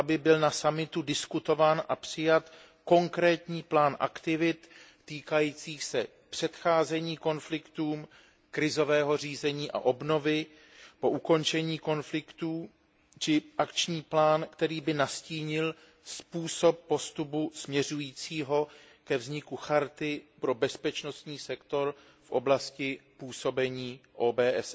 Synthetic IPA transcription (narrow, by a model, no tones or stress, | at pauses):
abɪbɪlnasamɪt̪udɪskut̪o̞vaːnʔa̰pr̝̥ɪjat̪ | ko̞ŋkɾɛːt̪ɲiːplaːnʔa̰kt̪ɪvɪt̪ː | iːkajiːt͡siːxsɛ | pr̝̥ɛt̪xaːzɛɲiːko̞nflɪkt̪uːm | kɾɪzo̞vɛːɦo̞riːzɛɲiːʔa̰ʔo̞bno̞vɪ | po̞ʔuko̞nt͡ʃɛɲiːko̞nflɪkt̪uː | t͡ʃɪʔakt͡ʃɲiːplaːnkt̪ɛɾiːbɪnasciːɲɪl | spuːso̞p̚ːo̞st̪upusmɲɛrujiːt͡siːɦo̞ | kɛvzɲɪkuxaɾt̪ɪpɾo̞bɛspɛt͡ʃno̞st̪ɲiːsɛkt̪o̞ɾ | fʔo̞blascɪpuːso̞bɛɲiːʔoːbɛːʔɛs